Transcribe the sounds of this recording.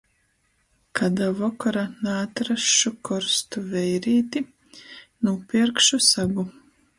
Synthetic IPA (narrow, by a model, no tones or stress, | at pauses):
kʰad̪avɔkaɾanaːt̪ɾaʃukʰɔɾst̪uvɛjɾiːt̪i | nuːpiɾkʃusaɡu